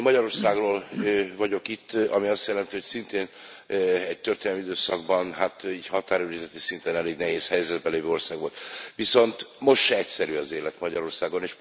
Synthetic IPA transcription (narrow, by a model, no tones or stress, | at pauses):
mɒɟɒɾo̞rsaːɡroːlvɒɟo̞kit̪ːɒmiɒst̪jɛlɛnt̪iho̞csint̪eːn | ɛɟt̪ø̞rt̪enɛlːɛmiid̪øːsɒɡ̚bɒnɦat̪iːɟhɒt̪aːɾyɾizɛt̪isint̪ɛnɛleːɡnɛɦeːshɛjzɛd̪̚bɛleːvøːo̞rsaːɡʋo̞lt̪ʋiso̞nt̪mo̞ʃt̪ʃɛɛcsɛɾyɒzeːlɛt̪mɒɟɒɾo̞rsaːɡo̞neːʃ